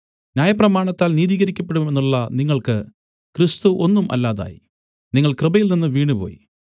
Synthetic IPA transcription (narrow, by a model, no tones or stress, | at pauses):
njaːjɐprɐmaːɳɐt̪ːaːlniːðiːɣɐɾikʲːɐp̬ːe̞ɽumenːuɭːɐniŋːɐɭkɨ | krist̪uʔo̞nːumʔɐ̰lːaːða̰ːjḭ | niŋːɐɭkrɨbɐjilninːɨʋiːɳupo̞̰ːjḭ